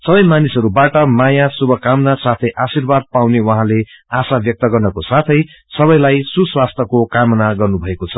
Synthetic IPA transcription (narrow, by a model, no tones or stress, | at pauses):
sʌbʌjmanisɦʌɾubaʈʌmajasubʱʌkamnasat̪ʰʌjʔasirbad̪̚pawnewʌɦãleasabjʌk̚t̪ʌɡʌrnʌkosat̪ʰʌj | sʌbʌjlajsuswast̪ʰʌkokamʌnaɡʌrnubʱʌekot͡sʰʌ